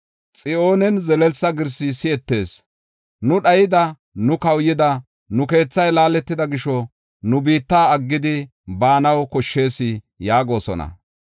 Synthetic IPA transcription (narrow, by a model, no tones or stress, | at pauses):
t͡sʼɪʔo̞ːnɛnzɛlɛlsɐɡɪɾsɪsɪɛt̪ːe̞ːs | nʊɗɐjɪd̪ɐ | nʊkɐwjɪd̪ɐ | nʊke̞ːt͡sːɐjlaːlɛt̪ːɪd̪ɐɡɪʃɔ | nʊbiːt̪ːaːɐɡːɪd̪ɪ | baːnɐwkɔʃːe̞ːsɪ | jaːɡo̞ːsɔ̰nɐ̰